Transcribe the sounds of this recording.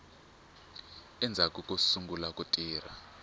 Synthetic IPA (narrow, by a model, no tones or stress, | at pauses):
ɛnd͡zʱakʼukʼusuŋɡulakʼutʼiːr̤a̰